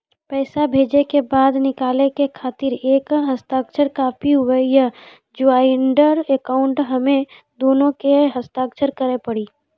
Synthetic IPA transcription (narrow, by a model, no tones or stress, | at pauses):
pɛːsabʱeːd͡ʒekebaːd̪nɪkaːlekekʰaːt̪ɪɾeːkɦɐst̪aːkt͡ʃʰəɾkaːpʰiʊwəja | d͡ʒʊaːɪɳɖəɾekaːʊ̃ɳʈɦɐmẽ | d̪oːnõkeɦɐst̪aːkt͡ʃʰəɾkəɾepɐɽiː